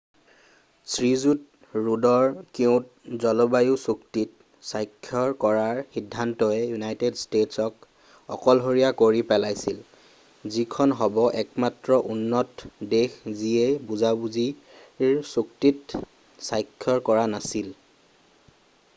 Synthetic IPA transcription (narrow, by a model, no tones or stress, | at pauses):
sɹizut | ɹudɔɹkiʊ̃t̚ | zɔlɔbajusuktit̚ | sajkʰːjɔɹkɔɹaɹxidʱːantɔɛjunajtedstetsɔk | ɔ̰kɔlɦoɹijakoɹipɛlajsil | zikʰɔnɦɔbɔʔɛkmatɹɔʔunːɔtdexziebuzabuzi | suktit | sajkʰːjɔɹkɔɹanasil